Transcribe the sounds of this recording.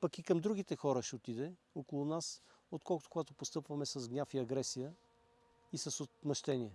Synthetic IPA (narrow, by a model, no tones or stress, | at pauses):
pɐkikɐmd̪ɾuɡit̪ɛxɔɾəʃɛot̪id̪ɛ | okolˠʊnas | ot̪̚kʰɔlˠkʊt̪okoɡat̪opost̪ɤpvɐmɛsɐzɡnʲafiɐɡɾɛsijə | isɐsot̪mɐʃt̪ɛnʲiɛ